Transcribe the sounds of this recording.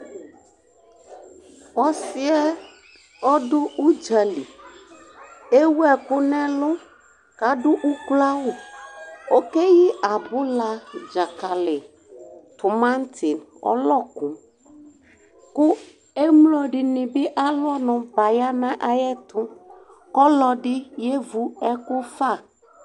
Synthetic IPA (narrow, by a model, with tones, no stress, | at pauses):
wɔ˦si˦ɛ˦ | ɔ˦ɖʊ˦u˦d͡ʒa˨li˨ | e˦wu˦ɛ˨ku˦nɛ̃˦lʊ˦ | ka˨ɖʊ˦ʔu˦kla˦wu˨ | o˦ke˦ji˦a˨bʊ˦la˦d͡ʒa˨ka˨lɪ˨ | t̪ʊ˨mã˦n˦t̪ʰɪ˨nɔ̰˦lɔ˦kũ˨˦m | kʊ˦ | e˦mlo˦ɖɪ˨nɪ̃˨bɪ˦ʔa˦lʊ˦ɔ˦nɔ̃˨ba˨ja˦mɛ̃˦ʔa˦jɛ˦t̪ʊ̃˦ | kɔ˦lɔ˨ɖɪ˦je˦vu˦ɛ˦kʊ˦fa˦˨